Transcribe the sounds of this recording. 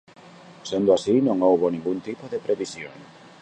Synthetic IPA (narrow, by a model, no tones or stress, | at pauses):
send̪oasinõŋowβonĩŋɡunt̪ipoðepɾeβisjo̰ŋ